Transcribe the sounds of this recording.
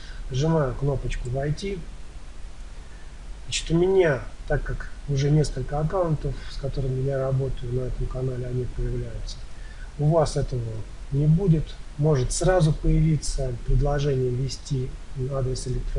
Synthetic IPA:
ʐɨnajʊkno̞pət͡ɕkʊvɐjtʲi | nat͡ɕɪ̥t̪ʊmʲɪnʲat̪akːakʊʐɛnʲe̞skəlʲkəɐkawʊnt̪əfskɐt̪o̞ɾɨmʲɪjaɾɐbo̞t̪əjʊnɐɛt̪əmkɐnalʲɪɐnʲipəjɪvlʲæjʊt̪sə̥ | ʊvasɛt̪əvə | nʲɪbudʲɪt̪mo̞ʐɨt̪sɾazʊpəjɪvʲit̪səpɾʲɪd̪lˠɐʐɛnʲɪjəvʲɪsʲtʲiad̪ɾʲɪsɪlʲɪk̚t̪

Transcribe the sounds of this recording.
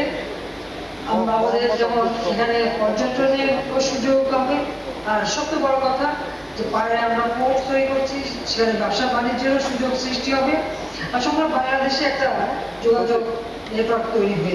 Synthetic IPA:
amɾaamad̪eɾd͡ʑɛmonʃekʰanepɔɾd͡ʑont̪ɾoniekoʃud͡ʑoɡame | aɾʃɔb̚t̪ebɔɽokɔt̪ʰa | d͡ʑepaɾaamɾapoʈt̪ojɾikoɾt͡ɕʰi | ʃekʰanebɛbʃabanid͡ʑenoʃud͡ʑoɡsɾiʃʈiɦɔbe | aɾʃɔŋkɾebʱaŋlaɾd̪eʃeɛk̚ʈa | d͡ʑoɡad͡ʑoɡ | nepɾak̪ot̪ojɾibe

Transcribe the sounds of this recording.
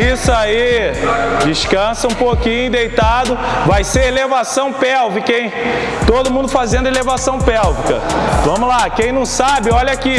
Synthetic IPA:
isʊai | d͡ʒiʃkɐ̃sɐũpokĩɲʊd̪ejt̪ad̪ʊ | vajseɾelevasɐ̃w̃pɛwvɪkẽj̃ | t̪od̪ʊmũnd̪ʊfazẽnd̪ʊelevasɐ̃w̃pɛwvikɐ̰vɐ̃mʊlakẽj̃nɐ̃w̃sabɪɔʎɐki

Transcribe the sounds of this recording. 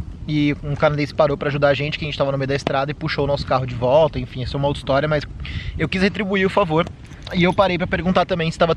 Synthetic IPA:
ɪũkanad̪ẽsɪ̥paɾowpɾaʒud̪aɾɐʒẽnt͡ʃɪkɪʒẽt͡ʃɪ̥t̪avɐnʊmejʊd̪ɐɪst̪ɾad̪ɐɪpuʃowʊnɔsʊ̥kaɦʊd͡ʒɪvɔwt̪ɐẽfĩɛsɛ̃mɐowt̪ist̪ɔɾjɐmɐsewkishet̪ɾibuiɾʊfavoɾ | ɪewpaɾejpɾɐpeɾɡũnt̪aɾt̪ɐ̃mbẽj̃sɪ̥st̪avɐ

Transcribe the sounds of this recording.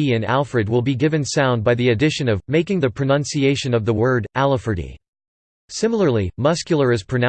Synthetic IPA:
iɨ̃næ̰lˠfɹɨd̚wɪlˠbiɡɪvɨ̃nsãʊ̃nd̚baɪðiɨdɪʃɨ̃nʌvmeɪkɪ̃ŋðɨpʰɹ̥ɨnʌ̃nsieɪʃɨ̃nʌvðəwɜ˞ɾʔælˠəfə˞ɾḭ | sɪ̃ml̩ˠə˞lˠimʌskjl̩ˠə˞ɨz̥pʰɹ̥ɨnã

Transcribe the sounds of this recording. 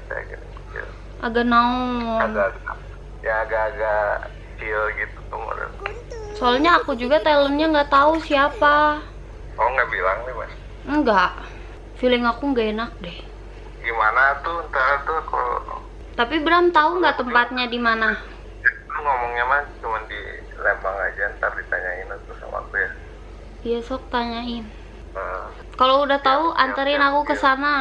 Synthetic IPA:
t͡ʃa̰ɡḭn | ḭ | ʔaɡanaɔɔanaɡa | jaːɡaːɡa | t͡ʃilɡit̪ut̪uma̰da̰nt̪usoalɲaːkud͡ʒuɡat̪alənɲaŋɡat̪ausiapa | ɔŋɡabilaŋnɛma̰s | əŋɡaʔ | filɪŋakuŋɡaenak̚dɛh | ɡimanat̪uənt̪aɾat̪uka̰lo̰nɔ̰ | t̪apibɾamt̪auŋɡaʔt̪əmpat̪̚ɲadimana | jat̪uŋomɔŋɲamat͡ʃəmandḭ | lembaŋa̰d͡ʒant̪ardit̪aɲainat̪usa̰ma̰kuja | ijasɔk̚t̪aɲaɪn | ə | kaloudaht̪auanəɾɪnakukəsana

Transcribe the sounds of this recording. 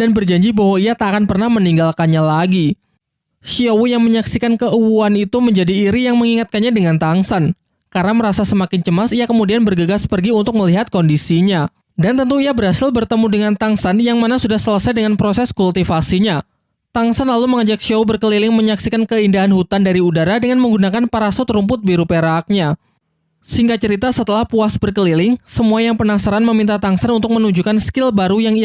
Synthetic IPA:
danbərd͡ʒaɲd͡ʒibaɦwaijat̪akanpərnahməniŋɡalkanɲalaɡi | ʃiowujaŋməɲaksikankəʔuwuanit̪uməɲd͡ʒadiːɾijaŋməŋiŋat̪̚kanɲadəŋant̪aŋsan | karnaməɾasasəmakɪnt͡ʃəmasijakəmudianbərɡəɡaspərɡiunt̪ʊk̚məliɦat̪̚kɔndisiɲa | dant̪ənt̪uiabəɾɦasɪlbərt̪əmudəŋant̪aŋsanjaŋmanasudahsələsajdəŋanpɾosɛskult̪ifasiɲa | t̪aŋsanlaluməŋad͡ʒak̚ʃowbərkəlilɪŋməɲaksikankəindaɦanhut̪andaɾiudaɾadəŋanməŋɡunakanpaɾasot̪ɾumpʊt̪̚biɾupeɾaːk̚ɲa | siŋɡat͡ʃəɾit̪asət̪əlahpuasbərkəlilɪŋsəmuajaŋpənasaɾanməmint̪at̪aŋsanunt̪ʊk̚mənuɲd͡ʒukanskɪlbaɾujaŋi

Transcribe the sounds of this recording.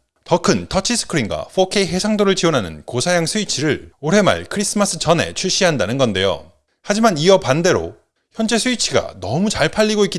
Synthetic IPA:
tʌkʰɯntʰʌt͡ɕʰis͈ʰɯ̥kʰɯɾinɡwa̰ɸʰokʰeiɦe̞sʰaŋdoɾɯɭt͡ɕionɦanɯ̰nkosʰajaŋsʰuit͡ɕʰiɾɯɭoɾe̞ma̰ɭkʰɯɾis͈ɯmas͈ʰɯt͡ɕʌne̞̰t͡ɕʰuɭɕ͈iɦandanɯnɡʌnde̞jo̰ | had͡ʑimaniʌpande̞ɾo̰ | çjʌnd͡ʑe̞sʰuit͡ɕʰiɡa̰nʌmut͡ɕaɭpʰaʎːiɡoik͈i

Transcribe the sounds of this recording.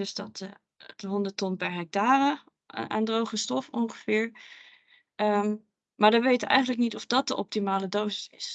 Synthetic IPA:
døsdɑtː | təɦɔndətɔnpɛɹɦɛk̚taːrə | ʔa̰ːndrowχəstɔfɔŋχəv̥ɪːɹ | ə | maːɹdɑʋejtəʋəʔɛ̰jχəndləknitɔfdɑt̚d̥əʔɔp̚timaːlədosɪsɪs

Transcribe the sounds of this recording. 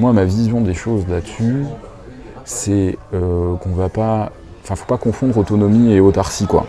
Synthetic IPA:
mwamavizjɔ̃d̪eʃozlatsy | sɛøkɔ̃vapa | ɑ̃fɛ̃fo̥pakɔ̃fɔ̃d̪ʁot̪ɔnɔmieot̪aʁsikwa̰

